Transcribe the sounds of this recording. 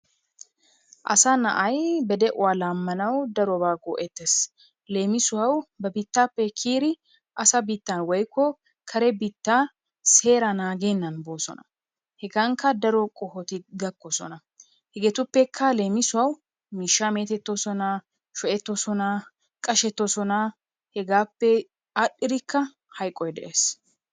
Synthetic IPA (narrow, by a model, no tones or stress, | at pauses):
ʔɐ̰sɐnɐʔɐjbɛd̪ɛʔʊwaːlaːmːɐnɐwd̪ɐɾɔbaːɡɔʔɛt̪ːes | le̞ːmɪsʊɐwbɐbɪt̪ːapːɛkʰiːɾɪ | ʔɐsɐbɪt̪ːɐnwɔjkʰːɔ | kʰɐɾɛbɪt̪ːaː | se̞ːɾɐnaːɡe̞ːnːɐnboːsɔ̰nɐ | hɛɡɐŋkːɐd̪ɐɾɔkʼɔhɔt̪ɪɡɐkːɔsɔ̰nɐ | hɛɡɛt̪ʊpːɛkʰːɐle̞ːmɪsʊwɐw | miːʃːaːme̞ːt̪ɛt̪ːɔsɔna | ʃɔʔɛt̪ːɔsɔnɐ | kʼɐʃɛt̪ːɔsɔnɐ | hɛɡaːpːɛ | aɗːɪɾɪkːɐ | hɐjkʼːɔjd̪ɛʔe̞ːs